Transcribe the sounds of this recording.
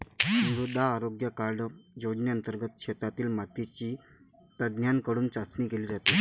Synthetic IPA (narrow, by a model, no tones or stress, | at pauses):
ɾud̪ʱaːɾoɡjəkaɾɖjod͡ʑneənt̪əɾɡət̪̚kɕet̪at̪iːlmaʈ̪it͡ɕiː | t̪əd̪njankəɽuːnt͡sat͡sniːkeliːd͡zat̪iː